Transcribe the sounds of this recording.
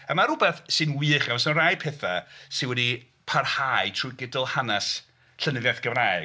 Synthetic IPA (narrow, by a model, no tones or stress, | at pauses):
əmaɾʊbɛθsɨnwɨːχaasɔnrajpʰɛθasɨnwɛdi | pʰarhaɨtʰruɡɪdəlˠhanɛs | ɬənɨðjaθɡ̥əvraj